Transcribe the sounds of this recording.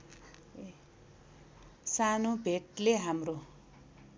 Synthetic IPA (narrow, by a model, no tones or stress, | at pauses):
e | sanobʱeʈleɦamro